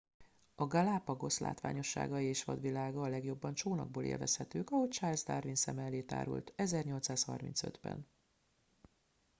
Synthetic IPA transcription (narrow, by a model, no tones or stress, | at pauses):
ɒɡɒlaːpɒɡo̞sla̰ːt̪ʋa̰ːɲo̞ʃːa̰ːɡɒjieːʃʋɒ̰d̪ʋilaːɡɒːlɛɡjo̞bːɒnt͡ʃoːnɒ̰ɡ̚boːlʔḛːlvɛshɛt̪øːkɒɦo̞ct͡ʃaːlzd̪aːrvinsɛmɛlːeːt̪a̰ːɾṵlt̪ɛzɛrɲo̞lt̪saːshɒ̰rmḭnt̪sød̪bɛ̰n